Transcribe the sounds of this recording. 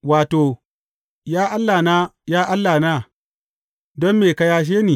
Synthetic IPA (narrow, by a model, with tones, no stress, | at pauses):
waː˨to˨ | jaː˦ʔa˦lːa˨na˦jaː˦ʔa˦lːa˨na˦ | dɔ˦mme˨ka˦ja˦ʃ̬eː˦niː˨